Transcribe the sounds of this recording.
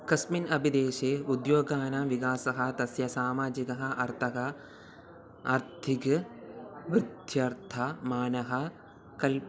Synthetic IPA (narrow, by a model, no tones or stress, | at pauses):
kɐsminɐbʱid̪eːʃeːud̪joːɡaːnɐʋikaːsɐɦɐ̆t̪ɐsjɐsaːmaːd͡ʒikɐɦɐ̆ɐɾt̪ʰɐɦɐ | ɐɾt̪ʰik | ʋɾɨd̪ʱjɐɾt̪ʰɐmaːnɐɦɐ | kɐl